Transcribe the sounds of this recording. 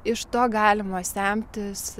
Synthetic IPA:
ɪʃt̪oːɡɑːlʲɪmoːsʲæmʲt̪ʲɪs

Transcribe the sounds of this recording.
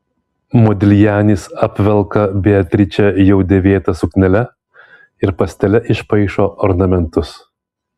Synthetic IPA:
mɔd̪ʲɪlʲjæːnʲiːsɐpʲʋʲɛlˠkɐbʲeɐt̪ʲɾʲɪt͡ʃʲɛjɛʊd̪ʲeːʋʲeːt̪ɐsʊknʲɛlʲɛ | ɪɾpɐsʲt̪ʲɛlʲɛʔɪʃpɐɪʃoːʔɔɾnɐmʲɛnt̪ʊs

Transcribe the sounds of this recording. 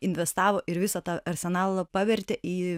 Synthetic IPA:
ɪnʲʋʲɛst̪ɑːʋoːʔɪɾʋʲɪsɐt̪ɑːɐɾʲsʲɛnɑːlˠopɑːʋʲɛɾʲt̪ʲeʔiː

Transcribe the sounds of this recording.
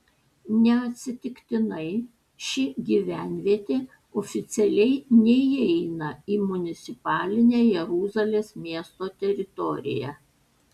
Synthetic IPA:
nʲɛɐt̪ʲsʲɪt̪ʲɪkt̪ʲɪnɐɪ | ʃʲɪɡʲiːʋʲæˑnʲʋʲiɛt̪ʲeː | ɔfʲɪt̪sʲɛlʲɛɪnʲɛiɛɪnɐiːmʊnʲɪt̪sʲɪpɑːlʲɪnʲeːjɛɾuːzɐlʲeːsmʲiɛst̪oːt̪ʲɛɾʲɪt̪ɔɾʲɪ̰jɛ̰

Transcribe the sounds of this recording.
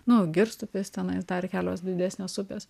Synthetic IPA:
nʊɡʲɪɾst̪ʊpʲɪst̪ʲɛnɐɪsd̪ɐːɾʲkʲæːlʲoːsd̪ʲɪd̪ʲæːsʲnʲeːsʊpʲeːs

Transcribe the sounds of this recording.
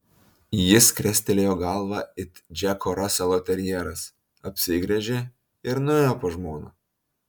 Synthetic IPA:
jɪskɾʲɛsʲt̪ʲɛlʲeːjoːɡɐlˠʋɑɪt̪d͡ʒʲækoɾɐsʲɛlˠoːt̪ʲɛɾʲjɛːɾɐs | ɐpʲsʲɪɡɾʲɛʒʲeː | ɪɾnʊeːjoːpoːʒmoːno̰ː

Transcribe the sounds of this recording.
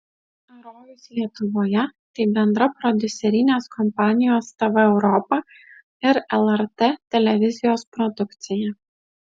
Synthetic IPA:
ɐɾoːjʊslʲiɛt̪ʊʋoːjɛt̪ɐɪbʲɛnd̪ɾɐpɾɔd̪ʲʊsʲɛɾʲɪnʲeːskɔmpɑːnʲɪjoːst̪ɐʋɐɛʊɾɔpɐ | ɪɾɛlˠɛɾt̪et̪ʲɛlʲɛʋʲɪzʲɪjoːspɾɔd̪ʊkt̪sʲɪjɛ

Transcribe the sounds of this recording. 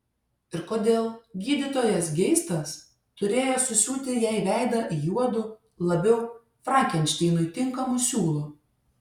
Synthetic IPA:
ɪɾkoːd̪ʲeːlˠɡʲiːd̪ʲɪt̪oːjɛsɡʲɛɪst̪ɐs | t̪ʊɾʲeːjoːsʊsʲuːt̪ʲɪjɛɪʋʲæˑɪd̪ɐʔjuɔd̪ʊ | lˠɐbʲɛʊ | fɾɑːkʲɛnʲt͡ʃʲt̪ʲɛɪnʊt̪ʲɪŋkɐmʊsʲuːlˠʊ

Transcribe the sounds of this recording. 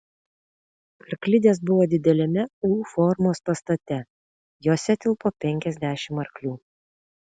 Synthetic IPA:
ɐɾklʲɪd̪ʲeːsbʊʋoːd̪ʲɪd̪ʲɛlʲɛmʲɛuːfɔɾmoːspɐst̪ɐt̪ʲɛ | joːsʲɛt̪ʲɪlˠpoːpʲɛŋʲkʲɛzʲd̪ʲæʃʲɪmɐɾklʲuː

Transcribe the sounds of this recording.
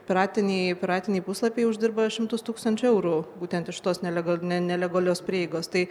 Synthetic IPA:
pʲɪɾɑːt̪ʲɪnʲɛɪpʲɪɾɑːt̪ʲɪnʲɛɪpʊslˠɐpʲeɪʊʒʲd̪ʲɪɾbɐʃʲɪmt̪ʊst̪uːkst̪ɐnʲt͡ʃʲʊɛʊɾuːbuːt̪ʲɛnt̪ɪʃʲɪt̪oːsnʲɛlʲɛɡɐnʲɛnʲɛlʲɛɡoːlʲoːspʲɾʲiːjɛɪɡoːst̪ɐɪ

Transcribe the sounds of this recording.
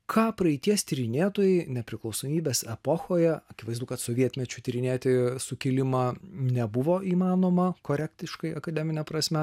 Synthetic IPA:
kʰɑːpɾɐɪt̪ʲiɛst̪ʲiɾʲɪnʲeːt̪oːjɛɪnʲɛpʲɾʲɪklˠɒʊsoːmʲiːbʲeːsɛpoxoːjɛɐkʲɪʋɐɪzd̪ʊkɐt̪soːʋʲiɛt̪ʲmʲɛt͡ʃʲʊt̪ʲiɾʲɪnʲeːt̪ʲɪsʊkʲɪlʲɪmɑːnʲɛbʊʋoːʔiːmɑːnoːmɐkoːɾʲɛkt̪ʲɪʃkɐɪɐkɐd̪ʲɛmʲɪnʲɛpɾɐsʲmʲɛ

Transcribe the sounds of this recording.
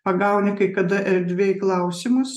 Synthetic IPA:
pɐɡɐʊnʲɪkɐɪkɐd̪ɐʔɛɾʲd̪ʲʋʲeːjklˠɐʊsʲɪmʊs

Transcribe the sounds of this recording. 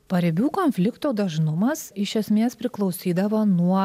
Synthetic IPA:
pɐɾʲɪbʲuːkoːnʲfʲlʲɪkt̪oːd̪ɐʒnʊmɐsɪʃʲɛsʲmʲeːspʲɾʲɪklˠɒʊsʲiːd̪ɐʋɐnuɔ

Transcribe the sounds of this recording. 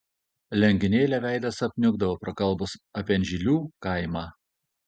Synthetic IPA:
lʲɛŋʲɡʲɪnʲeːlʲɛʋʲæˑɪd̪ɐsɐpʲnʲʊɡd̪ɐʋoːpɾokɐlˠˑbʊsɐpʲiɛnʲʒʲilʲuːkɐɪmɑː

